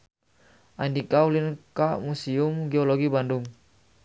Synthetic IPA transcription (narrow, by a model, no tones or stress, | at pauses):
ʔandikaulinkamusiumɡɛɔlɔɡibanduŋ